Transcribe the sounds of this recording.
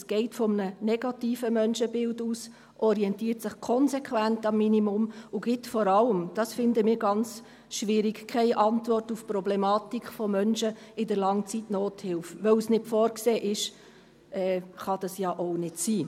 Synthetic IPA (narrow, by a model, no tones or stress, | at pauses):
sɡ̥ɛɪtfɔmənənɛɡ̥ɑtiːfəmœnʃəbɪlduːs | ʔɔɾiɛntiːrtsɪχkʰɔnsɛkʰʋæntɑmːinimʊmʊɡ̥ɪtfɔɾɑləmd̥ɑsfɪndəmɪːɾɡɑnt͡s | ʃʋɪɾiɡkʰɛɪʔɑntvɔrtufprɔblɛmɑːtikχfɔmœnʃəɪdəɾlɑŋt͡sitnoːthɪlfʋœwsnɪtfɔːɾkseːʔɪʃ | ʔɛːχɑd̥ɑsjɑːʔoʊnɪtsiː